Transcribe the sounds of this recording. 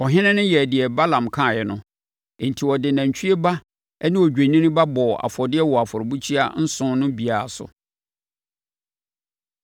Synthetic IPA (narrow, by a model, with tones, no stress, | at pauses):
ɔ˨ɦɪ̃˦nɪ̃˦nʊ̃˦jɛ˨dɪ˨ɛ˨ba˦lã˨mkʰã˦˨jɛ˨nʊ̃˦˨ | n̩˨tʰi˨wɔ˨dɪ˨nã˨ɲ˨t͡ɕʰᶣi˦e˦ba˦ | ɛ˦nɪ̃˦ɔ˨d͡ʑᶣẽ˨nĩ˦nʊ̃˦ba˦bɔ˨a̰˨fɔ˨dɪ˦ɛ˦wɔ˨a˨fɔ˨ɾbu˦t͡ɕʰi˦a̰˦n̩˦sʊ̃˦nʊ̃˦bi˨a˨a˨sʊ̰˨